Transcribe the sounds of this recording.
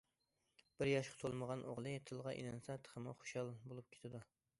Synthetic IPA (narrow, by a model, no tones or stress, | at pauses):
b̥ɪɾjɑʃqʰt̪ʰolˠməʁɑnʔoʁlˠɨt̪ʰɨlˠʁɑʔḭlɛnsɛt̪ʰə̥χʰəmɑ̰χo̥ʃɑlˠbolˠup̚kʲʰe̥t̪ʰɪd̪u